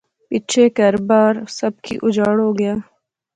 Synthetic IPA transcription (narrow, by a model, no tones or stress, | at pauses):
piːt͡ʃʰekɐɾbaːɾsɐb̚kḭːʔʊd͡ʒaːɽɦoːɡɐjaː